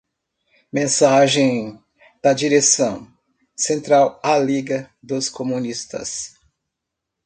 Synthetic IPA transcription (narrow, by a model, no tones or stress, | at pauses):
mẽsaʒẽj̃ | d̪̥ɐd͡ʒiɾesɐ̃w̃ | sẽnt̪ɾawaliɡɐd̪ʊskomũnist̪ɐ̰s